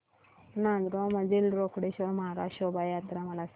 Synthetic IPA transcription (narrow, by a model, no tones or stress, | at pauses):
nand̪ɾomɐd͡ʒilɾokuɽeʃomaɾaʃobajaːt̪ɾamɐlas